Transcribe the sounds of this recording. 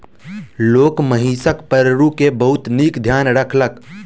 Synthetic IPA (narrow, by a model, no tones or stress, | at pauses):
loːkməɦiːsəkpəɾɾukebəɦʊt̪niːkd̪ʱjaːnɾəkʰlək